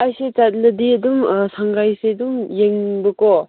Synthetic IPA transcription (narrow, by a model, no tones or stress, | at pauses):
ajset͡ʃat̚lɐdiɐdumsaŋɡajsedumjeŋbɯkɔ